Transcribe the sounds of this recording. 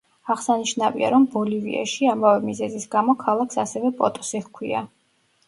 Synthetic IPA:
aʁsaniʃnavḭa̰ɾɔmbɔlivḭa̰ʃiamavɛmizɛzisɡamɔkʰalˠakʰsasɛvɛpʼɔ̰t̪ʼɔ̥siχkʰwia̰

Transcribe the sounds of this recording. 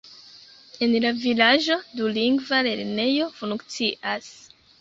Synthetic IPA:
e̞nlavilad͡ʒo̞duliŋɡvale̞ɾne̞jo̞fuŋkt͡siʔas

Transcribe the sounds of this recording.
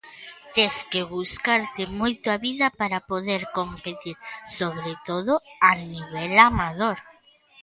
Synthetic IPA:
t̪eskeβuskaɾt̪ɪmojt̪oaβiðɐpaɾapoðeɾkompet̪iɾsoβɾet̪oðoaniβ̞ɛlamað̞oɾ

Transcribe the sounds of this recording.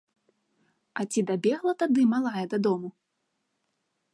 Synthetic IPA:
ɐt͡sʲid̪abʲɛɣlˠɐt̪ad̪ɨmalˠajɛd̪ɐd̪ɔmu

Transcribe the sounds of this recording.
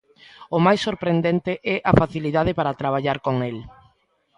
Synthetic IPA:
omajsːoɾpɾend̪ɛnt̪eʔɛʔafaθiliðað̞epaɾat̪ɾaβ̞aʎaɾkoŋel

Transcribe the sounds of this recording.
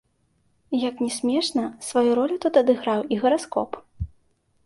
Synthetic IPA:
jɐknʲɛsʲmʲɛʂnɐsvajuɾɔlʲut̪ut̪ɐd̪ɨɣɾawiɣɐɾaskɔ̰p

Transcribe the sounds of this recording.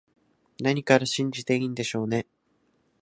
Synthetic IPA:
naɲ̟ikaɾaɕĩɲ̟d͡ʑit̪e̞iːnd̪e̞ɕo̞ːne̞

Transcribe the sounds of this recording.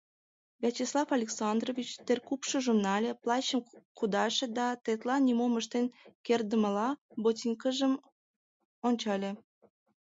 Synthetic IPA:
vʲæt͡ɕislˠɑfɑlʲeksɑnd̪rovʲit͡ɕt̪erkupʃə̆ʒumnɑlʲeplɑɕəmkud̪ɑʃĕd̪ɑt̪et̪lɑnʲːimoməʃt̪enkerd̪əməlɑbotʲinʲkəʒəm | onʲt͡ɕɑlʲe

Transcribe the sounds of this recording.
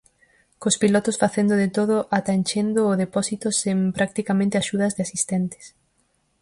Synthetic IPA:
kospilɔt̪ʊsfaθend̪ʊðet̪oð̞ʊʔat̪anʲt͡ʃend̪ʊːðepɔsit̪osempɾak̚t̪ikamẽnt̪ɪaʃuð̞ɐzðɪasist̪ɛnt̪ɪ̥s

